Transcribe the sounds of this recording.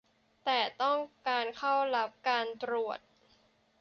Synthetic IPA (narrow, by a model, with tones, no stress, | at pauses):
t̪ɛː˨˩t̪ɔ˥˩ŋkaː˧nkʰa˥˩wla˦˥p̚kaː˧nt̪ɾu˨˩ət̪̚